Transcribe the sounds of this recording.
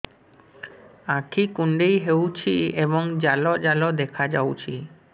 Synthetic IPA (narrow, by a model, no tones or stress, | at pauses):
akʰikuɳɖejɦewt͡ʃʰiebɔŋd͡ʒalɔd͡ʒalɔd̪ekʰad͡ʒawt͡ʃʰi